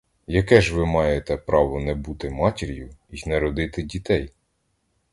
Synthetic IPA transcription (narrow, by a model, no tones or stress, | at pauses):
jɐkɛʒʋɪmɑjet̪ɛpɾɑʋɔnɛbut̪ɪmɑtʲɪɾʲjʊiznɛɾɔd̪ɪt̪ɪdʲit̪ɛj